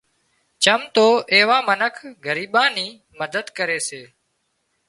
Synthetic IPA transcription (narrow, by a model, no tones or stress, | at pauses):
t͡ʃəmt̪oːʔeːʋãːmənəkʰɡəɾiːɓãːniː | məd̪əd̪kəɾeːseː